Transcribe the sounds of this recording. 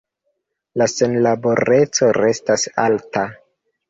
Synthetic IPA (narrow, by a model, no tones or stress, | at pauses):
lase̞nlabo̞ɾe̞t͡so̞ɾe̞stasa̰lta